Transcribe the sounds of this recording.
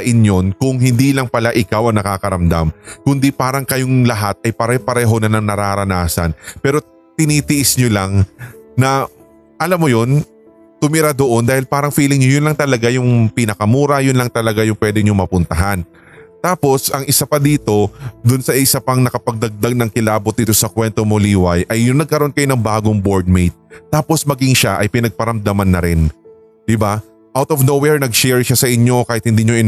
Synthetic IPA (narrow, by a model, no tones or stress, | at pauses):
ʔɪnjo̞nkʊŋhɪnd̪iːlɐŋpɐlaʔɪkawʔɐŋnɐkaːkɐɾɐmd̪a̰mkʊnd̪ipaːɾɐŋkɐjoŋlɐɦat̪̚ɐjpɐɾɛpɐɾɛːɦo̞nɐlɐŋnɐɾaɾɐnaːsɐ̰npɛːɾo̞ | t̪ɪniːt̪ɪʔɪsɲolaŋnɐ | ʔɐlamːojo̞n | t̪ʊmɪɾad̪oʔo̞nd̪aːhɪlpaːɾɐŋfiːlɪŋɲojʊnlɐŋt̪ɐlɐɡajʊŋpɪnɐkɐmuːɾɐjʊnlɐŋt̪ɐlɐɡajʊŋpwɛːd̪ɪɲoŋmɐpʊnt̪ɐɦan | t̪aːpo̞sʔɐŋʔɪsapɐd̪iːt̪o̞d̪ʊnsɐʔɪsapɐŋnɐkɐpɐɡ̚d̪ɐɡ̚d̪aɡ̚nɐŋkɪlaːbot̪̚d̪ɪt̪o̞sɐkwɛnt̪o̞moliːwɐjʔɐjːʊŋnɐɡ̚kɐɾoonkɐjo̞nɐŋbaːɡoŋbo̞ɹd̪̚mejt̪̚ːaːpo̞smɐɡɪŋʃaʔɐjpɪnɐɡ̚pɐɾɐmd̪ɐmanːɐɾɪn | d̪̥ɪba | ʔawt̪ovnowɛɹnɐɡʃɛɹʃasɐʔɪɲːo̞kaːhɪt̪̚hɪnd̪iːɲoʔɪ